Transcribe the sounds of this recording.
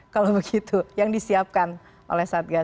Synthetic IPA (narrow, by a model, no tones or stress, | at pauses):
kalobəɡit̪ujaŋdisiap̚kan | ʔo̰lɛhsaːt̪̚ɡa